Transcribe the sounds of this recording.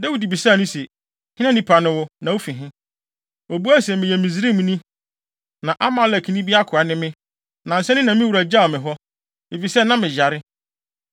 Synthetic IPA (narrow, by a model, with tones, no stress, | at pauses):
da˦wi˨di˨bi˨saː˦˨nʊ̃˦sɛ˨ | hɪ̃˦nã˦nĩ˦pʰa˨nʊ̃˦wʊ˦nã˨wo˦fĩ˨ɦɪ̃˦ | o˨bu˦æ˦sɛ˨mɪ̃˨jɛ˨mĩ˨zi˦ɾĩ˦mũ˦nĩ˦ | nã˨ʔa˦mã˨˦læ˨kʰi˨nĩ˦bi˦a˦kʰʊ˨a˨nɪ̃˦mɪ̃˦ | nã˨n̩˨sɛ˦nɪ̃˦nã˨mɪ̃˦wu˨ɾa˨d͡ʑa˦˨mɪ̃˨ɦɔ˦ | e˨fi˨sɛ˦nã˦mɪ̃˨d͡ʑa˨ɾɪ˦